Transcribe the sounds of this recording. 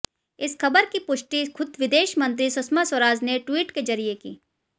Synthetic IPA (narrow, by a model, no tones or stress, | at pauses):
ɪsxɐbəɾkipʊʃʈixʰʊd̪ʋɪd̪eːʃmɐ̃nt̪ɾisʊsmaswɐɾaːd͡ʒneʈwiːʈkezɐɾijekḭː